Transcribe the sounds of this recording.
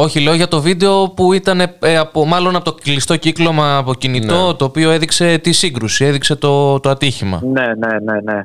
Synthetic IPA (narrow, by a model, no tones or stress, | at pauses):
o̞çile̞o̞ʝɐt̪o̞vid̪e̞o̞puit̪ɐne̞eɐpomɐlo̞nɐpot̪olist̪o̞ciklo̞mɐːpo̞cinit̪o̞t̪o̞ːpio̞e̞ðikse̞t̪isiɡɾusie̞ðikse̞t̪o̞t̪o̞ɐt̪içimɐ̰nenenene